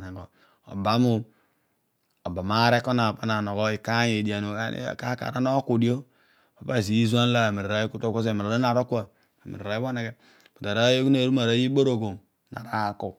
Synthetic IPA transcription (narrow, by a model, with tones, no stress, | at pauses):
na˨ɡo˨ | o̰˨ba˦mu˦ | o˨ba˨ma˦ɾe˦ko˦na˨pa˦na˨no˨ɡo˦i˨ka˦je˨di˨a˨nu˨a̰˦˨ka˦ka̰˨ɾa˦no˦ku˨di˦o˦ | a˨pa˦˨s̬i˨i˦za˦n˦la˦a˨mi˨ɾɾa˦ji˦ku˦to˦ko˦s̬e˦˨mi˨ɾa˨do˦na˨ɾo˦ku˦a˨ | a˨mḭ˨ɾɾa˨ji˦bo˦ne˨ɡe˦ | pu˨ta˨ɾa˦jo˦ku˦na˨ɾu˦ma˨ɾa˦ji˦bo˦ɾo˨ɡo˨ | na̰˨ɾa˦ko˨